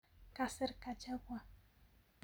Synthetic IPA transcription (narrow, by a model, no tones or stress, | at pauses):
kaseɾkat͡ʃawa